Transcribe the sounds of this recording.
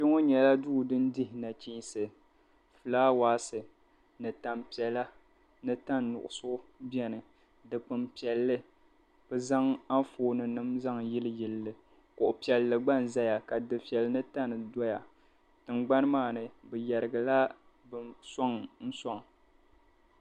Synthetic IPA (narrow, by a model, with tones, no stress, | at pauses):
t͡ʃɪ˦ŋo˦ɲɛ˨la˦duː˦dɨ˦n˦dɪ˦hɪ˨na˨t͡ʃi˦sɨ˨ | fɨ˨laː˦waː˦sɨ˨ | nɨ˨ta˨mpi˨ɛ˨la˦ | nɨ˦ta˦nːʊ̰˨ʔʊ˨sʊ˦bi˦ɛ˦nɨ˨ | dɨ˨k͡pɨ˨mpi˨ɛ˨lːɨ˦ | b̥ɨ˦za˦ŋa˦foː˦nɨ˨nɨ˦mza˦ŋjɪ˦lɨ˦jɪ˨lːɨ˨ | kʊ˨ʔʊ˨pi˨ɛ˨lːɨ˨ɡ͡ba˦nza˦ja˨ka˨dɨ˨pi˨ɛ˨lnɨ˦ta˦nɨ˨dɔ˦ja˨ | tɨ˨ŋɡ͡ba˦nɨ˦maː˦˨nɨ˨bɨ˨jɛ˨ɾɨ˨ɡa˨la˦ | bɨ˨sɔ˦ŋn̩˦sɔ˦ŋ˨